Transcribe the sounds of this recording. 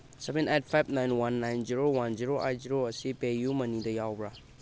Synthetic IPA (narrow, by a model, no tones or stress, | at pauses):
sɛbɛnajt̚pʰajb̚najnwanːajnziɾowanziɾoʔa̰j̚ziɾoəsipejumənidəjawbɾa